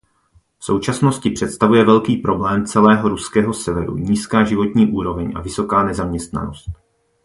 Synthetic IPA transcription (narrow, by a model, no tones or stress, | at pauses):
fso̞wt͡ʃasno̞scɪpr̝̥ɛt̪st̪avujɛvɛlkiːpɾo̞blɛːmt͡sɛlɛːɦo̞ɾuskɛːɦo̞sɛvɛɾṵɲiːskaːʒɪvot̪ɲiːʔuːɾo̞vɛɲʔa̰vɪso̞kaːnɛzamɲɛst̪na̰no̞st̪